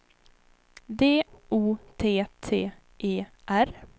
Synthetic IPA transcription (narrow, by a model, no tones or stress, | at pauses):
d̪eːuːt̪ʰeːt̪ʰeː | ʔeːʔæɾ